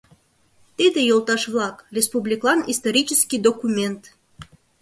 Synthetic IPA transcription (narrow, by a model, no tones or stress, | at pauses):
t̪id̪ejolˠt̪ɑʃvlɑkrʲespublʲiklˠɑnist̪oɾʲit͡ɕəskʲid̪okumʲent̪